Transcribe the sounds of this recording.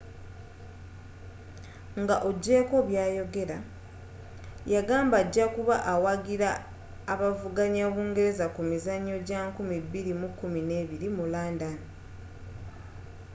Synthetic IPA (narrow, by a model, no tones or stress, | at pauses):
ŋɡaʔo̞ɟːe̞ːko̞βjaːjo̞ɡe̞ɾa | jaɡaːmbaɟːakuβaʔawaɡiɾaː | βavuɡaɲaβuːŋɡe̞ɾe̞zakumizaɲːo̞ɟaːŋkumibːiɾimukːumine̞ːβiɾimulaːndano